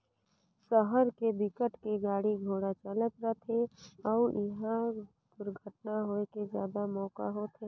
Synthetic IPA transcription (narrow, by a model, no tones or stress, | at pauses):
səɦəɾkebɪkəʈkeɡaːɽiɡʱoːɽat͡ʃələt̪ɾəɦt̪ʰeɔːɪɦã | d̪̥ʊɾɡʱəʈnaɦoekezjaːd̪amɔːka̰ɦot̪ʰeː